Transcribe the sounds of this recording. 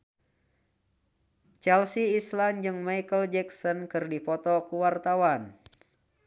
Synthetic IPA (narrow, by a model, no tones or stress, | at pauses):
t͡ʃɛlsiːsland͡ʒɨŋmajkəld͡ʒɛksɔnkɨrdipɔt̪ɔkuwart̪awan